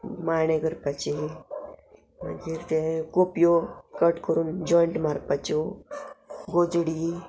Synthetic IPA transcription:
maneɡəɾpat͡ʃe | mand͡ʒiɾt̪ekopjokəʈkəɾuːnd͡ʒɔjɳʈmaɾpat͡ʃo | ɡod͡ʒɽi

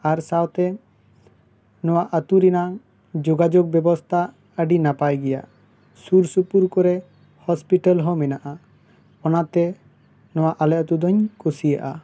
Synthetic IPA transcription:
aɾsawt̪ɛ | nɔwaʔət̪uɾinaŋ | d͡ʒɔɡad͡ʒɔɡ̚bɛbɔst̪ʰa | əɖinapajɡɛja̰ | suɾsupuɾkɔɾɛ | hɔspiʈalɦɔ̃mɛnaʔa | ɔnat̪ɛ | nɔwaʔalɛʔɔt̪ud̪ɔɲkosija̰ʔa

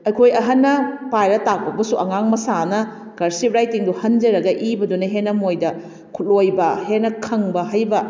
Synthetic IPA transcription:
ɐjkʰojɐɦɐnːɐpajɾɐtak̚pɐbɐsuʔɐŋaŋmɐsanɐ | kɐɾsip̚ɾajtiŋduhɐnd͡ʒɐɾɐɡɐʔibɐdunɐɦenːɐmojdɐ | kʰut̚lojbɐhenɐkʰɐŋbɐɦɐjbɐ

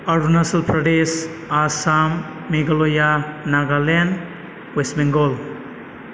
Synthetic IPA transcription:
aɾunasɐlpʰɾadesasamː | eɡalojanaɡalen | wesmeŋɡɔl

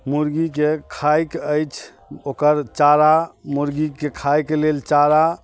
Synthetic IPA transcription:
muɾɡikekʰajkəjt͡ʃʰ | okəɾt͡ʃaɾamuɾɡikekʰajkelelt͡ʃaɾa

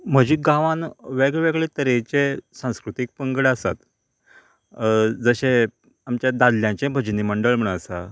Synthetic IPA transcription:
m̤əd͡ʑiːɡãʋãnʋeɡɭeʋeɡɭet̪əɾet͡ɕesãw̃skɾut̪ik̚pəŋɡəɽəsa̰t̪ | d͡zəɕe | amt͡ɕjad̪ad̪ljãt͡ɕẽbʱəd͡ʑniməɳɖəɭm̤əɳəsa

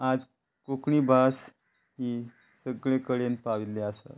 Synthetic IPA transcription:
ad͡z | kokɳiːbʱas | hiː | səɡɭekəɭenpaʋilːeasa̰t̪

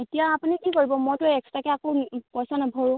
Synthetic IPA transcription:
etijaːpunikikoɹibɔmojtʊɛkstakɛakopɔjsanabʱɔɹʊ̃

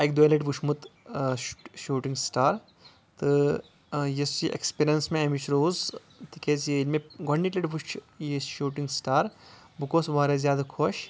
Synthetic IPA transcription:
ɐkd̪uelɐʈʋuʃmut̪ | ʃuːʈiŋɡsʈaːɾ | t̪ɨ | jesiʔḛkspiːɾijɐnsmẽɐmit͡ʃʰɾoːz | t̪ʰikezjelmẽɡoɳːiʈlɐʈʋuʃt͡ʃʰ | jiʃuːʈiŋɡsʈaːɾ | bɨkoːsʋaːɾezjaːd̪akʰoʃ

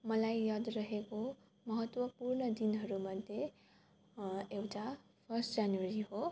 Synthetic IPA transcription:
mʌlajːʌd̪rʌɦeko | mʌɦʌt̪wʌpurnʌd̪inɦʌɾumʌd̪ʱje | ewʈʰa | pʰʌrsʈd͡zanwaɾiɦo

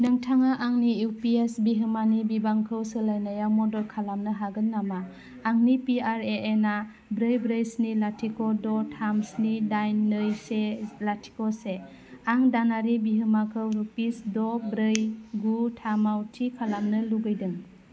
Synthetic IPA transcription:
nɯŋtʰaŋaʔaŋniuwpiesbiɦɯmanibibaŋkʰɯwsɯlajnajamɔdɔlkʰalamnɯɦaɡɯnːamaː | ŋnipiaɾeʔena | bɾɯjbɾɯjsnilatʰikɔdɔtʰamsnidajnːɯjselatʰi̥kɔse | aŋdanaɾibiɦɯmakʰɯwɾupisdɔbɾɯjɡutʰamawtʰikʰalamnɯluɡɯjdɯŋ

